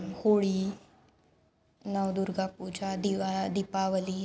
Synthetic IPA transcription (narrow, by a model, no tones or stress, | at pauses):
hoɭiː | nawd̪uɾɡapud͡ʑad̪iʋad̪ipaʋəliː